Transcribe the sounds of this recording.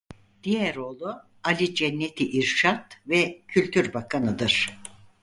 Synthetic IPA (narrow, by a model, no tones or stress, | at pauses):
d̪̥ijɛɾo̞ːlˠu | alʲid͡ʒɛnːet̪ʰiʔiɾʃat̪vɛcʰylʲt̪ʰyɾbakʰanɯd̪ɯɾ̥